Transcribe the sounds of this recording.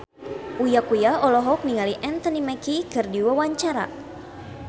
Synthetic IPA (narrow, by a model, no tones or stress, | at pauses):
ʔujakujaɔlɔɦɔk̚niŋaliʔɛnt̪ɔnimɛkikɨrdiwawaɲt͡ʃaɾa̰